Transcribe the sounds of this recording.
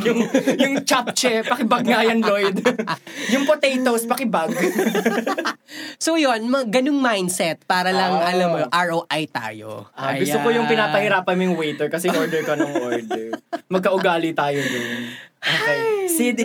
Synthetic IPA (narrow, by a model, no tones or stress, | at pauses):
jʊŋjʊŋt͡ʃap̚t͡ʃɛpɐkɪbɐɡ̚ŋajɐnlojd̪ | jʊŋpot̪ejt̪ospɐkɪbaɡ | sowjonmɐɡɐnoŋmajnsɛt̪̚paːɾɐlɐŋʔɐlɐmːoʔaɹʔowʔajt̪a̰ːjo̰ʔaɡʊst̪opojʊŋpɪnaːpɐhɪɾaːpɐnmojʊŋwejt̪ɛɹkɐsɛʔɪnʔoɹd̪ɛɹkɐnɐŋʔoɹd̪ɛmɐɡ̚kɐʔʊɡaːlɪt̪aːjod̪ɐjɐnʔoːkɛjsɪd̪